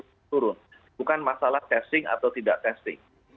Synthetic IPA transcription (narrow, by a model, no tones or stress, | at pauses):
t̪uɾʊn | bukanmasalaht̪ɛst̪ɪŋa̰t̪awt̪idaʔt̪ɛst̪ɪ̰ŋ